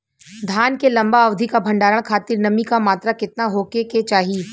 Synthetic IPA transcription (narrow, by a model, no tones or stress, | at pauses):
d̪ʱaːnkelɐ̃mbaɐʋd̪ʱikabʱɐ̃ɳɖaːɾəɽ̃kʰaːt̪ɪɾnɐmikamaːt̪ɾakɪt̪naɦoːkeket͡ʃaːɦii